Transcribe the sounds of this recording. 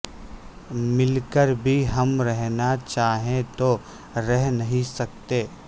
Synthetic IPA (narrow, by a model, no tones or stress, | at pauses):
mɪlkəɾbʱiɦɐmɾɛɦnat͡ʃaːɦẽt̪o | ɾɛɦnɐɦĩsɐk̚t̪eː